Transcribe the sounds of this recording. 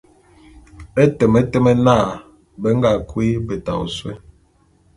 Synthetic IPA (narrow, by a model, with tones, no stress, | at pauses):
ɛ˦tɛ˨mɛ˦tɛ˦mɛ˦naː˦˨ | bɛ˨˦ŋ˦ɡa˨kwi˦bɛ˨ta̰˨ṵ˨swɛ̰˦